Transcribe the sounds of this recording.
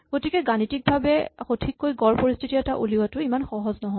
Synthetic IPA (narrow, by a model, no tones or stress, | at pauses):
ɡ̥otikɛɡanitik̚bʱabɛxotʰikːojɡɔɹpoɹistʰitiɛtaʔuliwatʊimanxɔɦɔznɔɦɔ